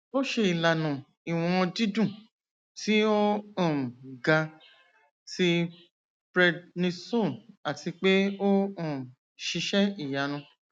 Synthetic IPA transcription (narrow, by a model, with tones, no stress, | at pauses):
o˦ʃe˧i˨la˨nã˨ | i˨w̃ɔ̃˧di˦dũ˦˨ | ti˦o˦ɔ̃˦˨ɡa˧ | ti˧ | pɾɛ˧dnĩ˧so˦˨na˨ti˧k͡pe˦o˦ɔ̃˦˨ | ʃi˧ʃɛ˦i˦˨ja˨˧nũ˧˦